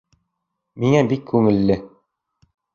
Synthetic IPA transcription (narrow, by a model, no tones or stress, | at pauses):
miŋæbikʰːʉŋɘ̆lːɘ